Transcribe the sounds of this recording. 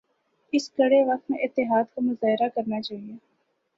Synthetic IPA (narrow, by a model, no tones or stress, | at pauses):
ɪsɡɐɽeʋɐk̚t̪mẽʔɪt̪ːɪɦaːd̪kamʊzaːɦɪɾakɐɾnat͡ʃaːɦieː